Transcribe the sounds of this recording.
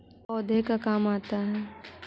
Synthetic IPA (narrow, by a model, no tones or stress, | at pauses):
ɔːd̪ʱekakaːmaːt̪aɦɛː